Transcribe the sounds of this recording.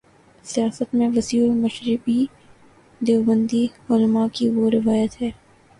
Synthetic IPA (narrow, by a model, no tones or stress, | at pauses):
sijaːsət̪mẽʋɐsiːlmɐʃɾɪbi | d̪eːʋbə̃nd̪iʊlmakiʋoɾɪʋaːjət̪ɦɛː